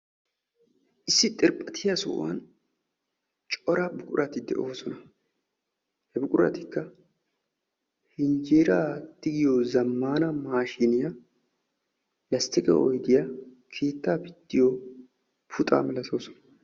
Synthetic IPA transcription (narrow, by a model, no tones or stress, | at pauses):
ʔɪsːɪt̪ʼɪɾpʼːɐt̪ʰɪjasʊ̰ʔwa̰n | t͡ʃʼɔɾabʊkʼʊɾʔɐt̪ɪd̪ɛ̰ʔo̞ːsɔnɐ | hɛbʊkʼʊɾɐ̰t̪ɪkːɐ | hɪnd͡ʒeːɾaːt̪ːɪɡɪjoːzɐmːaːnɐmaːʃɪnɪja | lɐst̪ːɪkʼɛ̰ʔɔ̰jd̪ɪja | kʰe̞ːt̪ːaːpɪt̪ːɪjoː | pʰʊt̪ʼa̰ːmɪlɐso̞ːsɔ̥nɐ̥